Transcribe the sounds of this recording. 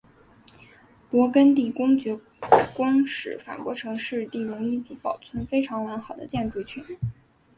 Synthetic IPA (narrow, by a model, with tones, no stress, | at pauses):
pwɔ˧˥kə˥nt̪̬i˥˩kʊ˥ŋt͡ɕɥɛ˧˥ | kwɑ˥ŋʂɻ̩˨˩fa̰˨˩kwɔ˧˥ʈ͡ʂʰɤ˧˥ŋʂɻ̩˥˧t̪i˥˩ɻʊ˧˥ŋi˥˩t͡su˧˥pɑ˨˩ʊt͡sʰwə˥nfe˥ɪʈ͡ʂʰɑ˧˥ŋwa˧˥nxɑ˨˩ʊd̪ə̰˦t͡ɕjɛ˥˧nʈ͡ʂu˥˧˩t͡ɕʰy˥˩n